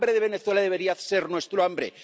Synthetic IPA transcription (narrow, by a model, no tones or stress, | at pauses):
bɾeðeβ̞e̞neθwe̞laðe̞βeɾiaθseɾnwe̞st̪ɾoambɾḛ